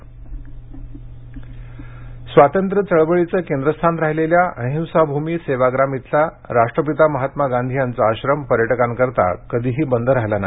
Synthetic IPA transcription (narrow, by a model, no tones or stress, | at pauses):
sʋat̪ənt̪ɾət͡səɭʋəɭit͡səːkend̪ɾəst̪ʰanɾaɦileljaə̃ɦĩwsabʱumiːseʋaɡɾamit̪ʰla | ɾaʂʈɾəpit̪aməɦat̪maɡand̪ʱijant͡saːɕɾəmpəɾjəʈəkankəɾt̪a̰kəd̪ʱiːɦiːbənd̪ʱəɾaɦlanaɦ